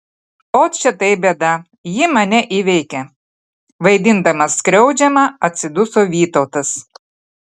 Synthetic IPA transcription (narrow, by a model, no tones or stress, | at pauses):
oːt̪t͡ʃʲɛt̪ɐɪbʲeːd̪ɐ | jɪmɐnʲɛʔiʋʲɛɪkʲɛ | ʋɐɪd̪ʲɪnd̪ɐmɐskɾʲɛʊd͡ʒʲɛmɐɐt̪ʲsʲɪd̪ʊsoːʋʲiːt̪ɐʊt̪ɐs